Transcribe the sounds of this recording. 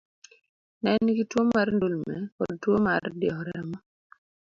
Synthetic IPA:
nɛnːikitwomarndulmɛ̰kɔd̚twomardɪjɛhɔɾɛɾɛmɔ

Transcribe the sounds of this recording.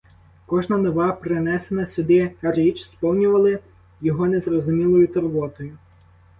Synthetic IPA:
kɔʒnɐnɔʋɑpɾenɛsenɐsʲʊd̪ɪrit͡ʃspɔwnʲʊʋɐlˠɪ | jɔɦɔnezrɔzʊmʲilˠɔjʊt̪ɔrʋɔt̪ɔjʊ

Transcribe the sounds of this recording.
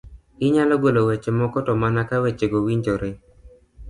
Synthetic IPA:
ɪɲalɔɡolowet͡ʃemɔkɔtɔmanakawet͡ʃeɡowiɲd͡ʒoɾe

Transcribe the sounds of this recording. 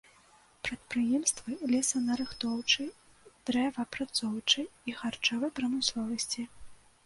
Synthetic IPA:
pɾɐt̪̚pɾɨjɛmst̪vɨlʲɛsɐnɐɾɨxt̪ɔwt͡ʂɨ | d̪̥ɾɛvɐpɾat̪sɔwt͡ʂɨixart͡ʂɔvɐjpɾɐmɨslˠɔvɐsʲt͡sʲi

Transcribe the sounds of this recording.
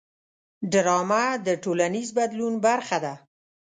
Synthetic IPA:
ɖɾɑmad̪əʈolanizbad̪lunbaɾxad̪a

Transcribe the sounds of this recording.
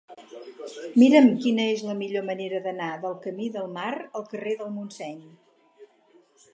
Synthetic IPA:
miɾəmkinəezləmiʎoməneɾəðənaðəlˠkəmiðəlˠmaɾəlˠkəreðəlˠmunsɛɲ

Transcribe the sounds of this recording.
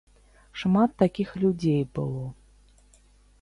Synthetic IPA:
ʂmat̪ːakʲixlʲud͡zʲejbɨlˠɔ

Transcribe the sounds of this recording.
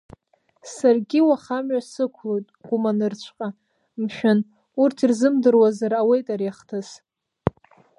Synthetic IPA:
sarɡʲiwaχamɥasɨkʷʰlojtʼɡ̥ʷumanɨrt͡ɕʷʰqʼa | mʃᶣan | urtʰirzɨmdɨrwazarawejtʼaɾiaχtʰɨs

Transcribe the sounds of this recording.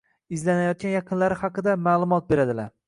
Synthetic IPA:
ɪzlanajɒt̪̚kʲanjɑqʰɨnlaɾɪhɑqɨd̪amaːlˠʊmɒt̪̚be̞ɾad̪ɪlaɾ

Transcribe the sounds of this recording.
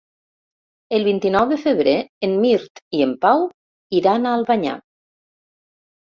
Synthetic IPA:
əlˠβint̪inɔwðefeβɾeemːiɾt̪iempaw | iɾanaːlˠβaɲa̰

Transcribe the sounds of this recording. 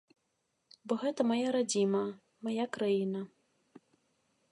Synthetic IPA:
bɔɣɛt̪ɐmajaɾad͡zʲimɐ | majakɾajinɐ

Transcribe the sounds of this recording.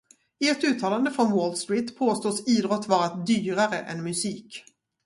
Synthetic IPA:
ɪɛt̪ʉ̟ːt̪ʰɑːland̪əfɾɔnwoːld̪st̪ɾiːt̪pʰoːst̪oːsiːd̪ɾɔt̪ːvɑːɾat̪̚d̪yːɾaɾəʔɛ̰nmɵsiːk

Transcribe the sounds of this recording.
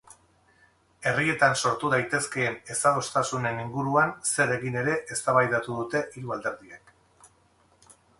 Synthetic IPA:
e̞rie̞t̪anso̞ɾt̪uð̞ajt̪e̞ske̞ːne̞saðo̞st̪asune̞niŋɡuɾuanse̞ɾe̞ɣine̞ɾe̞ʔest̪aβajðat̪uðut̪e̞ʔiɾuald̪e̞ɾðiek

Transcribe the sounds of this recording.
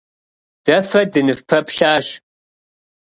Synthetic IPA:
d̥ɐfɐdɨnɨfpʰɐpʰɬaːɕ

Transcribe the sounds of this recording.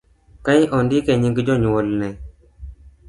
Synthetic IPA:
kajʔɔndikɛɲiŋɡd͡ʒɔɲwolnɛ

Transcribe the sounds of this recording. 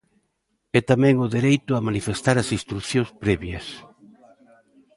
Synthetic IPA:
ɛt̪amɛ̃ŋʊðeɾejt̪ʊamanifest̪aɾɐsist̪ɾuθjõŋspɾɛβjɐs

